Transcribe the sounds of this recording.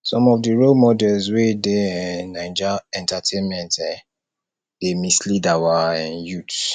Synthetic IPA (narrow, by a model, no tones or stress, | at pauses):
sɔ̃mɔvdiɹolmɔdɛlzwedeɛnãɪd͡ʒaɛ̃ntatʰẽnmɛ̃ntɛ | d̥emislidawaɛ̃njut